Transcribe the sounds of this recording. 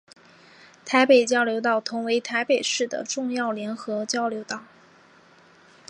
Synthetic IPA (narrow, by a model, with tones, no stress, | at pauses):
t̪ʰa˧˥ɪpe˨˩ɪt͡ɕjɑ˥˩ʊljo˧˥ʊt̪ɑ˥˩ʊt̪ʰʊ˧˥ŋwe˧˥ɪt̪ʰa˧˥ɪpe˨˩ɪʂɻ̩˥˩d̪ə̰˩ʈ͡ʂʊ˥˧ŋjɑ˥˩ʊljɛ˧˥nxɤ˧˥t͡ɕjɑ˥˧ʊljo˧˥ʊt̪ɑ˥˩ʊ